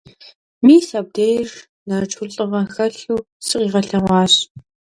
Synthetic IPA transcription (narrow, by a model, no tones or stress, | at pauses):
miːsɐb̚deːjr | nɐrt͡ʃʰʊɮɬʼɨʁɐxɐɬuː | sʼɨqiːʁɐɬɐʁʷɑːɕ